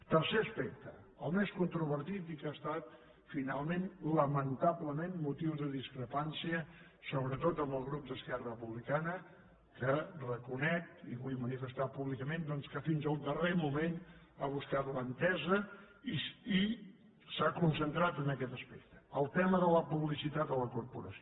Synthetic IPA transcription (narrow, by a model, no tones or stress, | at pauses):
t̪əɾseəspɛk̚t̪ə̰ | əlˠmeskunt̪ɾuβəɾt̪it̪ikast̪at̪ | finalˠmenləmənt̪aβləmenmut̪iwzðəðiskɾəpansiə | soβɾət̪ot̪əmbəlˠɣɾup̚d̪əskɛrəpuβlikanə | kərəkunɛk̚t̪ḭβujmənifəst̪apuβlikəmend̪ɔnskəfinzəund̪əremumen | aβ̞uskat̪lənt̪ɛzə | ii | sakunsənt̪ɾat̪ənəkɛt̪əspek̚t̪ə̥əlˠt̪ɛməðələpuβlisit̪at̪ələkuɾpṵɾə̰sio